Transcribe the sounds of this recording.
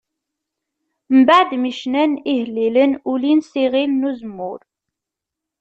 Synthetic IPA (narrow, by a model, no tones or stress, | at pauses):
mbaʕd̪miʃnænihəlːilənulinsiʁilnuzəmːʊɾ